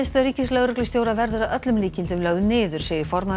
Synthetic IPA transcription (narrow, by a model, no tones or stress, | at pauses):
st̪aɾiːcɪslœɣɾʏklʏst̪jowɾavɛɾðʏɾaʔœt̪lʏmliːcɪnt̪ʏmlœɣðʏnɪːðʏɾ̥sɛːjðɪfɔɾma